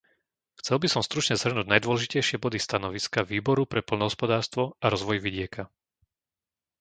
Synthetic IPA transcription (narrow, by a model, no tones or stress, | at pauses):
xt͡sɛlbisɔmst̪ɾut͡ʃɲɛz̥ɦr̩nuːɟnajd̪ʊʋɔlɛʒicɛjʃɪɛbɔd̪ist̪anɔʋiskaʋiːbɔɾupɾɛpɔlnɔɦɔspɔd̪aːɾst̪ʋɔaɾɔzʋɔjʋiɟɪɛka